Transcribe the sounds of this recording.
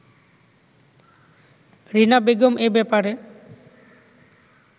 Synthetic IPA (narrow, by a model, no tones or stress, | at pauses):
ɾinabeɡomʔebɛpaɾe